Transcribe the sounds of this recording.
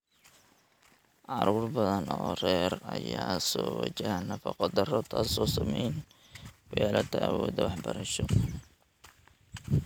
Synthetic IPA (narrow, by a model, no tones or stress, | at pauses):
ʕɑɾuːrbɐðɐnɔːrɛːrɐjaːsɔːwɑt͡ʃɐhɐnɐfɑqɔd̪ɐrɔt̪ʰasɔːsɐmɛjn | wɑjaːlɐt̪ʰɐʔwɔːd̪ɐwɑħbɐɾɐʃɔ